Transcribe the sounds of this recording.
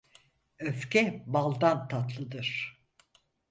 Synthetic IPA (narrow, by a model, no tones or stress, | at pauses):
øfcʲɛbalˠd̪ant̪ʰat̪lˠɯd̪ɯɾ̥